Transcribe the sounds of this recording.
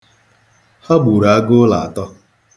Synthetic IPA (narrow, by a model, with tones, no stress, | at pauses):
ha˦ɡ͡bu˨ɾa˨a˦ɡʊ˦la̰˨a̰˨tɔ˦